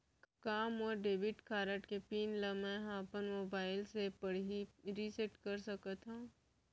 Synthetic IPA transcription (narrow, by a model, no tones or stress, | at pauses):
kaːmɔːɾɖeːbɪʈkʰaːɾəʈkepiːnləmɛ̃ɦãpənmoːbaːɪlsepɐɽɦiɾiseʈkɐɾsɐkət̪ɦũː